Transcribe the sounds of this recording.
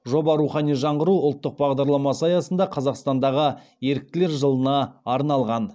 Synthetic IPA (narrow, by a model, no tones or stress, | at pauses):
ʒo̞bɑɾuχɑnijʒɑɴʁəɾuʊlˠt̪ːəq̚bɑʁd̪ɑɾlˠɑmɑsəɑjɑsənd̪ɑqʰɑzɑqst̪ɑnd̪ɑʁə | je̞ɾɪk̚t̪ɪle̞ɾʒəlˠənɑːɾnɑlˠʁɑn